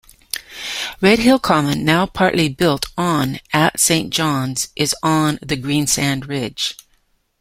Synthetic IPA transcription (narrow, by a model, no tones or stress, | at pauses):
ɹɛd̚hɪlˠkʰɑmɨ̃nːaʊpʰɑɹʔlibɪlˠtn̩ɨtsẽɪ̃nd̥ʒ̥ɑ̃nz̥ʔɨzn̩ðɨɡɹĩnsæ̃ndɹɪd̥ʒ̥